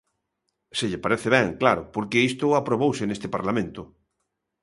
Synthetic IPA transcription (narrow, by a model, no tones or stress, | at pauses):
sɪʎɪpaɾeθɪβɛŋklaɾʊpoɾkeist̪ʊapɾoβowsɪnest̪ɪpaɾlamẽnt̪ʊ